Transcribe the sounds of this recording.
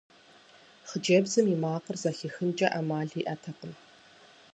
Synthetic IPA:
χəd͡ʒeːbzɨmimaːqərzɐxixɨnt͡ʃʼɐʔamaːɮiːʔɐtʰɐqəm

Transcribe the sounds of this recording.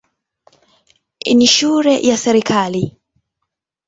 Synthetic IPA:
iniʃuɾɛjʔasɛɾikʰali

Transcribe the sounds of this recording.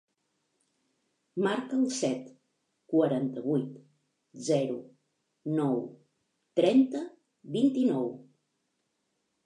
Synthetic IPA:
maɾkəːlˠsɛt̪ | kwəɾant̪əβujt̪ | zɛɾu | nɔw | t̪ɾɛnt̪ə | βint̪inɔw

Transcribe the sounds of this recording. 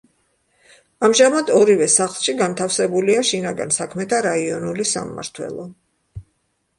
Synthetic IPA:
amʒamad̪ɔɾivɛsaχlˠʃiɡant̪ʰafsɛbuliaʃinaɡa̰nsakʰmɛt̪ʰaɾaiɔnulisa̰mːa̰ɾt̪ʰwɛ̰lˠɔ

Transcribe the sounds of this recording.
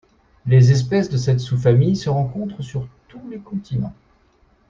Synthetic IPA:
lezɛs̬pɛsd̪əsɛt̪sufamijsəʁɑ̃kɔ̃t̪χəsyʁt̪ulekɔ̃t̪ʰinɑ̰̃

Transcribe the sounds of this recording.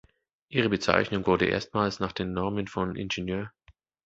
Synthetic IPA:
ʔiːʁ̞əbət͡sa̰ɪçnʊŋvʊɐdəʔḛːɐstmaːlsnaːχd̥eːnːɔɐmənfɔnʔɪ̰nʒ̥enjøːɐ

